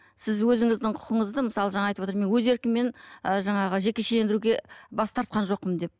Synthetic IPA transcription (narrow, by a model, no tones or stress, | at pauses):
sɪzwɵzɪŋɪzd̪ɪɴqʰʊ̥qəɴəzd̪əməsɑlˠəʒɑɴɑjt̪əpwot̪ɾme̞nwɵze̞ɾkʲɪmːe̞nəʒɑɴɑʁəʒe̞kʲe̞ʃele̞nd̪ɪɾuɡʲe̞bɑst̪ʰɑɾt̪̚qɑnʒo̞q̚ːəmd̪e̞p̚